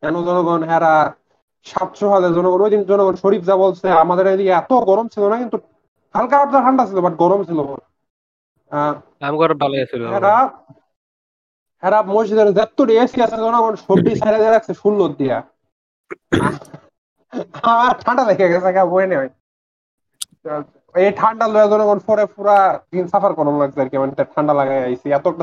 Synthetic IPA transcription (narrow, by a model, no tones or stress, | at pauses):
ɛnozɔnoɡɔnɦɛɾa | ʃat̪ʃʰoɦalezɔnoɡɔnojd̪inzɔnoɡɔnʃoɾipzaβolsʰeamad̪eɾed̪ikeɛt̪oɡɔɾomt͡ɕʰilonakint̪u | ʈʰalkaaʈtaʈʰaɳɖat͡ɕʰilobaʈ̚ɡɔɾomt͡ɕʰilo | akamkɔɾbalaasʰilɛɾa | hɛɾabmojʃid̪ɔɾzɛt̪ːuɽiesiasaɾzɔnɔkʰɔnʃobisajɾadiɾakseʃunːot̪̚d̪ija | a | amaɾʈʰaɳɖalaɡaɡɛs̬ɛkʰabojenɛaj | eʈʰaɳɖalojazɔnɔkɔnfɔɾefuɾadinsafaɾkɔɾomlaksaɾkɛmanit̪aʈʰaɳɖalaɡajajsiɛt̪oɛkʈa